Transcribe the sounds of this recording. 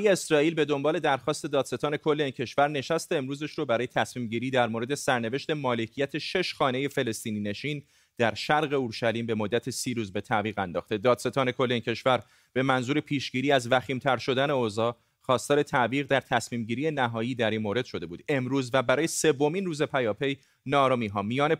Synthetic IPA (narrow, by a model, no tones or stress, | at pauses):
jeesɾɒːiːlbe̞d̪o̞mbɒːle̞d̪æɾxɒːst̪e̞d̪ɒːd̪se̞t̪ɒːne̞kʰo̞lːe̞iːncʰe̞ʃvæɾne̞ʃæst̪eːmɾuːzeʃɾobæɾɒːje̞t̪ʰæsmiːmɟiːɾiːd̪æɾmoɾe̞d̪e̞sæɾne̞ve̞ʃt̪e̞mɒːle̞cʰijæt̪ʰeʃe̞ʃxɒːne̞je̞fe̞le̞st̪iːnine̞ʃiːn | d̪̥æɾʃæɾɣe̞uɾʃæliːmbe̞mod̪ːæt̪ʰesiːɾuːzbe̞t̪ʰæviːɣænd̪ɒ̰ːxt̪e̞d̪ɒːd̪̥se̞t̪ʰɒːne̞kʰo̞lːeiːncʰe̞ʃvæɾ | b̥e̞mænzuːɾe̞pʰiːʃɟiːɾiːæzvæxiːmt̪ʰæɾʃo̞d̪æne̞ozɒː | χɒːst̪ɒːɾe̞t̪ʰæʔviːɣd̪æɾt̪ʰæsmiːmɟiːɾije̞næɦɒːjiːd̪æɾiːnmoːɾe̞d̪̥ʃo̞d̪e̞buːd̪e̞mɾuːzvæbæɾɒːjese̞vːo̞miːnruːze̞pʰæjɒːpʰe̞j | nɒɾɒmiːɦɒːmijɒːne